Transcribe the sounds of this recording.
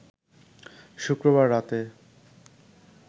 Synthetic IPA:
ʃukɾoβaɾːat̪e

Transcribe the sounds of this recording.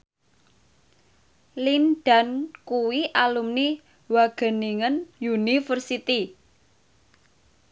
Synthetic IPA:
linɖ̥a̤nkuwiʔalumni | waɡ̥ə̤niŋənjunifərsit̪i

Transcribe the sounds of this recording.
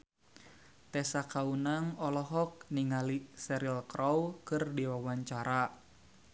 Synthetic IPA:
t̪ɛsakaunaŋɔlɔɦɔk̚niŋalisɛɾilkɾʔɔwkɨrdiwawaɲt͡ʃaɾa

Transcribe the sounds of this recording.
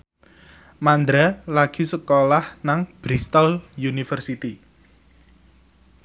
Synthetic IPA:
mand̪ɾalaɡ̥i̤səkolahnaŋb̥ɾist̪əljunifərsit̪i

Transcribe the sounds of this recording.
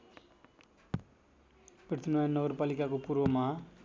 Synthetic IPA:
pert̪ʰinajʌnnːʌɡʌrpalikakopurʋʌma

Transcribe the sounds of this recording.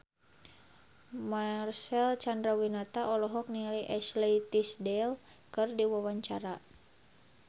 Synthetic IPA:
marsɛlt͡ʃandɾawinat̪aʔɔlɔɦɔk̚nialiʔɛslɛit̪isdɛl | kɨrdiwawaɲt͡ʃaɾa

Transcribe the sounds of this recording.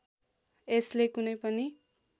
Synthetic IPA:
eslekunʌjpʌni

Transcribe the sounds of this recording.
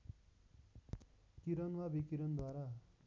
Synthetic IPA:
kiɾʌnwabikiɾʌnd̪waɾa

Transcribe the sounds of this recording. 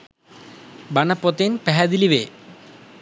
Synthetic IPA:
bɐɳɐpːot̪enpeɦɐd̪iliʋe

